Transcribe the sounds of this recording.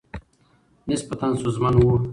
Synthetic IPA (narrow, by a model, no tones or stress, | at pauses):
nispat̪ansuzmanwu